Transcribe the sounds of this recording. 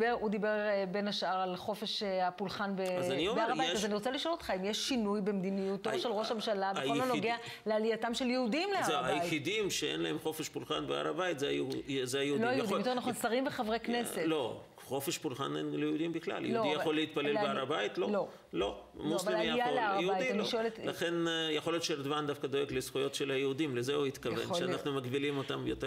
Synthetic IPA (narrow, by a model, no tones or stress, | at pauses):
eʁud̪ibeʁbenaʃaʁalχo̞feʃapulχanbezaniombaʁaaitazaniʁot͡saliʃo̞lot̪χaimjeʃːinujbemd̪inijut̪ːoʁʃelʁoʃhamʃaladnlonoɡea | lealijatamʃeljehud̪imleazeajejid̪imʃeḛnlaemχo̞feʃpulχanbea̰ʁa̰bajit̪zezeajeudloajudimjtoanaχonsaʁimbeχavʁekne̞se̞tlo | χo̞fe̞ʃpulχa̰nenlejehud̪imbiχla̰ljḛhdudijaolːeit̪̚palelbeaʁabajit̪lolo | lo̞muasvaelmjajalaʁeujiʃoeletlaχenjaχo̞ljot̪ʃeɾd̪vand̪afkad̪o̞jeɡlesχujo̞t̪ʃelhajeud̪imlezeuit̪kavvḛnʃeanaχnumakbilimo̞t̪amjot̪e